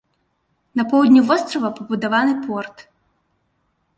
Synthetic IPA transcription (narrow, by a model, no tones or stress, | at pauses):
nɐpɔwd̪ʲnʲuvɔst̪ɾɔvɐpɐbud̪avanɨpʰɔrt̪